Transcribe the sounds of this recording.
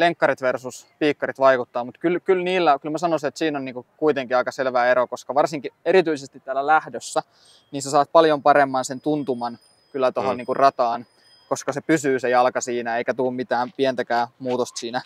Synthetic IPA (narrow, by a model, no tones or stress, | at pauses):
leŋkːɑɾit̪ʋersuspiːkːɑɾit̪ʋɑikut̪ːɑːmut̪kylkylniːlːækylmæsɑnosinet̪siːnonniːŋkukuit̪eŋkiɑikɑselʋæːeɾokoskɑʋɑrsiŋkieɾit̪yisest̪it̪t̪ːæːlːælæhdøsːæ | niːnsesɑːt̪̚pɑljompɑɾemːɑnsent̪unt̪umɑn | kylːæt̪ohonniːŋkurrɑt̪ɑːn | koskɑsepysyːsejɑlkɑsiːnæeikæt̪uːmmit̪æːmpient̪ækæːmuːt̪ost̪siːnæ